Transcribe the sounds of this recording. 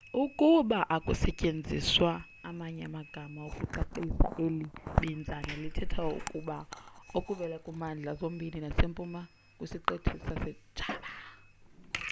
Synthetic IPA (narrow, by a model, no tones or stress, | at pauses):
ukʼuɓaʔakʼusɛcʼend͡zʱḭswaː | maɲɛamaɡ̥ʱamaokʼuǃaǃisa̰ʔeliɓind͡zʱanɛlitʰɛtʰaṵkʼuɓaokʼuvɛlakʼumand͡ɮʱazombʱininasempʼuma | kʼusiǃetʰisasɛd̥ʒ̥ʱaːɓa